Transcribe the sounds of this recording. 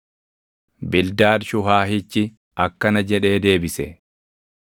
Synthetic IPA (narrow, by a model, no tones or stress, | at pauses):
bɪld̪aːdʃʊɦaːɦɪt͡ʃːɪ | ɐkːɐnɐd͡ʒɛᶑe̞ːd̪e̞ːbɪsɛ